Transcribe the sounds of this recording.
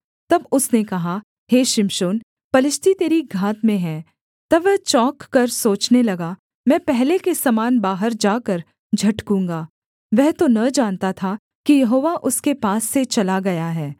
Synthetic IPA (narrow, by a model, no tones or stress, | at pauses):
t̪ɐbʊsnekɐɦa | heːʃɪmʃoːn | pɐlɪʃt̪ʰit̪eːɾiɡʱaːt̪mẽɦɛ̃ː | t̪ɐʋɛɦt͡ʃɔːkːɐɾsoːt͡ʃnelɐɡa | mɛ̃ːpɛɦlekesɐmaːnbaːɦəɾd͡ʒaːkɐɾ | d͡ʒʱɐʈkũːŋɡaː | ʋɛɦt̪onɐd͡ʒaːnt̪at̪ʰa | kijɐɦoːʋaʔʊskepaːsːet͡ʃɐlaɡɐjaɦɛː